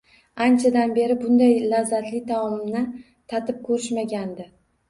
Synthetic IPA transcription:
ant͡ʃʰad̪anbe̞ɾɪbʊnd̪ajlazːat̪lɪt̪ʰaɒlɪmnɪ | t̪ʰat̪ʰɪp̚kʰɵɾɪʃmaɡʲand̪ɪ

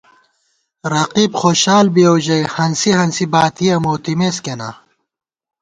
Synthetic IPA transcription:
ɾɐqiːbxoːɕaːlbioːʑɐjhɐnsiɦɐnsibaːt̪ʰijɐmoːt̪imeːskena̰ː

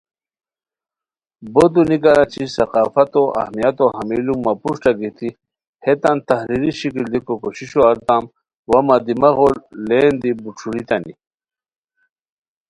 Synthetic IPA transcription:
bod̪unikaɾat͡ɕʰisɐqaːfɐt̪oʔɐ̰hmijat̪oɦɐmilumapuʂʈaɡit̪ʰi | het̪ant̪ɐɦɾiɾiɕikild̪ikokoɕiɕoɐɾt̪am | wamad̪imɐɣollend̪ibuʈ͡ʂʰuɾit̪ani

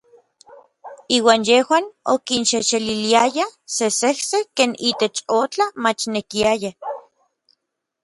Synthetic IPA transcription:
iːwaːnjehwaːno̰kinʃeʃeliliajasesehsekeːnʔiːt̪et͡ʃot͡ɬamat͡ʃnekiaja

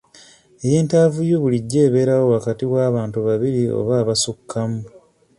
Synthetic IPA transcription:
e̞je̞ːntaːvujoβuliɟːe̞ːβe̞ːɾawo̞wakatiwaːβaːntuβaβiɾio̞̰βaːβasukːamu

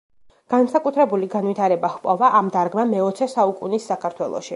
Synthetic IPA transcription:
ɡ̥ansakʼut̪ʰɾɛbuliɡanvit̪ʰaɾɛbahpʼɔvaʔamd̪aɾɡmamɛɔt̪sʰɛsaukʼunisːakʰaɾt̪ʰwɛlˠɔ̰ʃi

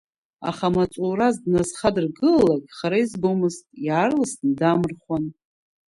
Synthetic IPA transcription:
a̰χamat͡sʼurazdnazχadɨrɡɨllakʼχaɾaizbomɨztʼjʕarlastndamɨrχwan

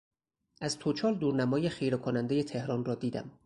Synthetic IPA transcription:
ʔæzt̪ʰot͡ʃʰɒːld̪uːɾnæmɒːjexijɾekʰonænd̪e̞jet̪ʰe̞hɾɒːnrɒːd̪iːd̪æ̰m

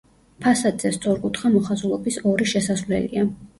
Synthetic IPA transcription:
pʰasad̪zɛst̪sʼɔɾkʼut̪ʰχamɔχazulˠɔbisɔɾiʃɛsasvlɛ̰lḭa

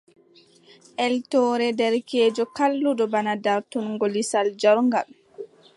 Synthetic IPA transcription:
ʔɛltɔːɾɛdɛɾkɛːd͡ʒɔkalːuɗɔbanadaɾtunŋɡolisald͡ʒɔɾŋɡal

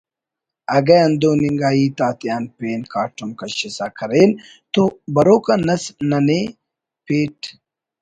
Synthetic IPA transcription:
ɐɡɐɐnd̪oːniŋɡaːiːt̪aːt̪jaːnpeːnkaːʈumkɐɕisaːkʰɐɾeːn | t̪obɐɾoːkɐnɐsnɐne | peːʈ

